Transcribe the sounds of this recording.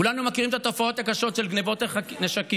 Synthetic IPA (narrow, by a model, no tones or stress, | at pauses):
ulanumakiʁimet̪at̪o̞fao̞t̪akaʃo̞t̪ʃe̞lɡnevo̞t̪akneʃaki